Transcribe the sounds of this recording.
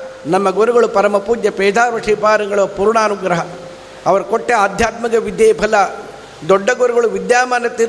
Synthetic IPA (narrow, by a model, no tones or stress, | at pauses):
nɐmːɐɡuɾuɡɐɭupɐɾɐmɐpuːd̪jɐpɛːd̪ʱaːɾʋɐʂiːpaːɾɐŋɡɐɭʋɐpuːɾuɳaːnuɡɾɐɦɐ | ɐʋɐɾɐkoʈːeaːd̪ʱjaːt̪mɐɡɐʋid̪jeːpʰɐlɐ | d̪ɔɖːɐɡuɾuɡɐɭuʋid̪jaːmaːnɐt̪iɾ